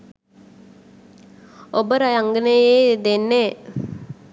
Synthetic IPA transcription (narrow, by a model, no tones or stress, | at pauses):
obəɾajaŋɡənejejd̪enːe